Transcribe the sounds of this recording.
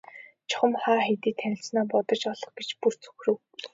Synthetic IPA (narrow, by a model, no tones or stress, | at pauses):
t͡ɕʰɔ̥χə̆mχaːxet̪iːt̪ʰːænʲɪ̆ɬt͡snaːpɔt̪ɞ̆t͡ɕɔɮɞ̆χɡet͡ɕpur̥t͡sʰɵ̥xrɘ̆w